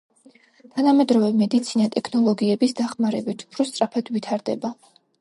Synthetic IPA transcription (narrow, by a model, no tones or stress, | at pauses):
t̪ʰanamɛd̪ɾɔvɛmɛd̪it̪sʰinat̪ʼɛkʰnɔlˠɔɡiɛbisd̪aχmaɾɛbit̪ʰu̥pʰɾɔst̪ʼɾapʰad̪vit̪ʰaɾd̪ɛ̰ba